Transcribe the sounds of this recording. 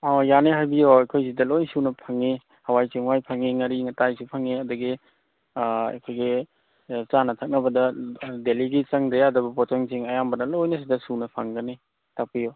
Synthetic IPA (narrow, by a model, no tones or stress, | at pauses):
ɔjaneɦajbijoɐjkʰojzidɐlojnsunɐpʰaŋe | hɐwajt͡ʃiŋwajpʰaŋeŋɐɾiŋɐtajsupʰɐŋeɐduɡi | ɐ̰jkʰojɡi | t͡ʃanɐtʰak̚nɐbɐdɐdeliɡit͡ʃɐŋdɾeadɐbɐpɔtaŋziŋɐjambɐdɐlojnɐs̬idɐsunɐpʰaŋɡɐni | tʰak̚pijo